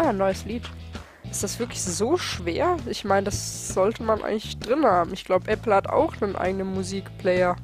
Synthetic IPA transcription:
aːnːɔʏəsliːt | ʔɪstd̥asv̥ɪɐklɪçzoːʃv̥eːɐʔɪçmaɪnədasz̥ɔltəmanʔa̰ɪɡŋ̩tlɪçd̥ʁɪnhaːbm̩ɪçɡ̥laʊbəʔɛpl̩hata̰ʊxnənʔa̰ɪɡənənmuziːkplɛɪɐ

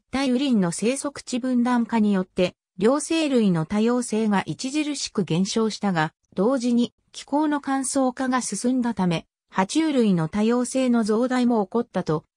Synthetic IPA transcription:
t̪aibɯ̟ɾʲĩnːo̞se̞ːso̞kɯ̟̥t͡ɕibɯ̟̃nd̪ãŋkaɲ̟ijo̞t̪ːe̞ | ɾʲo̞ːse̞ːɾɯ̟ino̞t̪ajo̞ːse̞ːɡaʔit͡ɕiʑiɾɯ̟ɕi̥kɯ̟ɡẽ̞ɰ̃ɕo̞ːɕi̥t̪aɡa | d̪̥o̞ːʑiɲ̟i | kʲi̥ko̞ːno̞kãɰ̃so̞ːkaɡasɨsɨ̃nd̪at̪ame̞ | hat͡ɕiːɾɯ̟ino̞t̪ajo̞ːse̞ːno̞zo̞ːd̪aimo̞ːko̞t̪ːat̪o̞

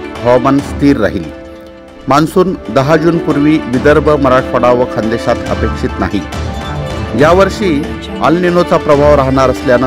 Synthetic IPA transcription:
ɦɔmənst̪ʰiːɾːa̰ɦiːl | mansuːnd̪əɦad͡ʑuːnpuɾʋiːʋid̪əɾbʱəməɾaʈʰəɽaʋʋəkʰənd̪eɕat̪ə̰pekʂit̪na̰ɦi | jaʋəɾʂiː | a̰lninot͡sapɾəbʱaʋɾaɦɳ̃aɾəsljanə

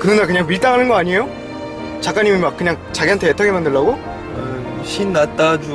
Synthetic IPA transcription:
kɯɾɯnakɯɲaŋmiɭt͈aŋɦanɯnɡʌaɲiejo | t͡ɕak͈aɲimimak̚k͈ːɯɲaŋ̚t͡ɕaɡiɦantʰe̞jetʰaɡemandɯɭːaɡo | a | ɕʰinːat͈ad͡ʑu

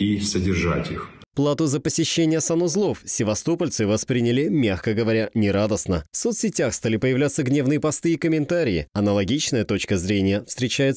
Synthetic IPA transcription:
isədʲɪrʐatʲix | plˠat̪ʊzəpəsʲɪɕːenʲɪjəsanʊzlˠo̞fsʲɪvɐst̪o̞pəlʲt̪sɨvɐspɾʲinʲɪlʲɪmʲaxkəɡəvɐɾʲanʲɪɾad̪əsnəfso̞t̪sʲɪtʲaxst̪alʲɪpəjɪvlʲat̪sːəɡnʲe̞vnɨjəpɐst̪ɨːkəmʲɪnt̪aɾʲɪɪɐnəlˠɐɡʲit͡ɕnəjət̪o̞t͡ɕkəzɾʲenʲɪjəfst̪ɾʲɪt͡ɕæjɪt̪

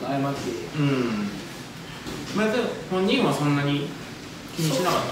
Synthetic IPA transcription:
aɯmaeɯ̟̃ɴ | mat̪ahõɲːĩɰ̃βasõnːaɲ̟i | kʲiɲ̟iɕinakat̪ː

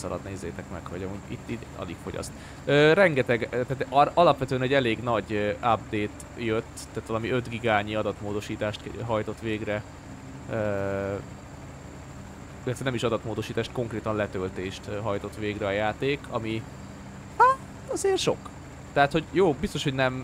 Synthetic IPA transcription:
sɒ̰lɒ̰d̪neːzːeːt̪ɛkmɛ̰khɒɟɒmuːɟit̪ːi | ɒ̰lḭkfo̞̰ɟɒ̰st̪ | øːrɛŋɡɛt̪ɛɡt̪aːt̪ɒlɒpʋɛt̪øːɛnɛɟɛleːɡnɒɟab̚d̪eːt̪ | jøt̪ːaːt̪ʋɒlɒmiø̞t̪ɡiɡaːɲiɒd̪ɒt̪moːd̪o̞ʃiːt̪aːʃt̪ɦɒjt̪o̞t̪ʋeːɡrɛ | ø | ilɛt̪ʋɛnɛmiʃɒd̪ɒt̪moːd̪o̞ʃiːt̪aːʃt̪̚ko̞ŋkreːt̪ɒnlɛt̪ølt̪eːʃt̪ːɦɒjt̪o̞t̪ʋeːɡrɛɒjaːt̪eːkʰɒmi | ha | ɒzeːrʃo̞̰k | t̪ɛɦat̪ho̞ɟjoːbist̪o̞ʃho̞ɟnɛm

